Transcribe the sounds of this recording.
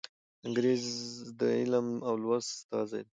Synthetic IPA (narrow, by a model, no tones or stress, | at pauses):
ɪŋɡɾezd̪əɪlamawlwast̪ɑ̰zajd̪